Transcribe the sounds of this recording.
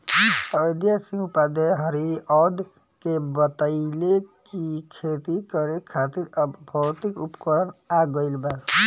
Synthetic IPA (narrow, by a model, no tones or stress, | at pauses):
əd̪jasĩupad̪eɦəɾiɔd̪ | kebət̪əɪlekikʰet̪ikəɾekʰat̪iɾbʱəwt̪ikupkəɾənaɡəɪlbaɾ